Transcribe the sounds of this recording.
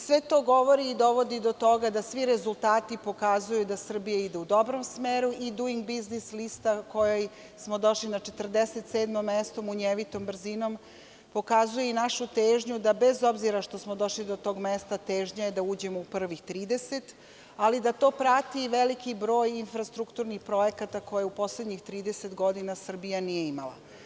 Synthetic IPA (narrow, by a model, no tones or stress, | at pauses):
sʋet̪o̞ːɡo̞ʋo̞ɾiːd̪o̞ʋo̞d̪id̪o̞t̪o̞ɡad̪asʋiɾezulˠt̪aːt̪ipo̞kazujud̪asr̩bijaid̪eud̪o̞bɾomsmeːɾuʔid̪uiŋɡbiznislist̪ako̞joj | smod̪o̞ʃlinat͡ʃe̞t̪rd̪eset̪seːd̪mo̞mːest̪o̞muɲeʋit̪o̞mbr̩zino̞m | po̞kazujeinaʃut̪eːʒɲud̪abezo̞bziɾaʃt̪o̞smo̞d̪o̞ʃlid̪o̞t̪o̞ːɡmest̪at̪e̞ːʒɲajed̪auːd͡ʑe̞moupr̩ʋixt̪ɾiːd̪eset̪ | alid̪at̪o̞ːpɾat̪iʋelikibɾo̞ːjinfɾast̪ɾukt̪uɾnixpɾo̞jekat̪ako̞jeupo̞sled̪ɲixt̪ɾiːd̪eset̪ɡo̞d̪inasr̩bijanije̞imalˠa̰